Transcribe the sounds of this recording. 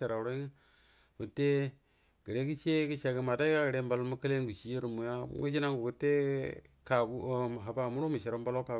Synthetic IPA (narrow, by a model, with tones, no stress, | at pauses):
e˨ɾa˨ɾo˦ŋa˦ | ku˨te˦ | ɡi˨ɾe˦ki˦t͡ʃe˦ki˦t͡ʃa˨ɡi˨ma˨ta˦i˦ka˦ɡi˨ɾe˦mba˨lo˦mu˦ka˦le˦ŋɡu˨t͡ʃi˦je˦ɾu˨mu˨ja̰˦ŋṵ˦d͡ʒi˦na˦ŋɡu˨ku˨tːe˦ka˨ɡu˦˨ɦa˨ba˨mu˦ɾo˦mu˨ʃe˨ɾo˨˦mba˦lo˦ka˨